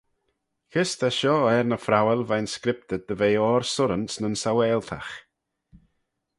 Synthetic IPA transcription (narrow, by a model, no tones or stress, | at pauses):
kʰɪst̪ʰaʃɔːɛɾnəfɾawɛlˠvajnskɾɪp̚t̪əd̪əveːɔːɾsʊɾənsnənsawɛːlˠt̪ʰa̰x